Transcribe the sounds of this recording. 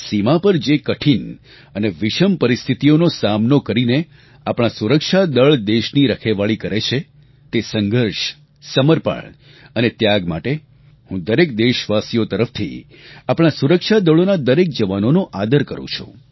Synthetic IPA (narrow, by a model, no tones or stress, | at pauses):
simapəɾd͡ʒekəʈʰin | əneʋɪʃəmpəɾist̪ʰit̪ijonosamnokəɾine | apɽ̃asuɾəkʃad̪əɭd̪eʃniɾəkʰeʋaɭikəɾet͡ʃʰe | t̪esəŋɡʱəɾʃ | səməɾpa̰ɭ | ənet̪jaɡma̰ʈe | hũd̪əɾekd̪eʃʋasijot̪əɾəft̪ʰḭ | apɳ̃asuɾəkʃad̪əɭonad̪əɾek̚d͡ʒəʋanonoʔad̪əɾkəɾṵ̃t͡ʃʰṵ̃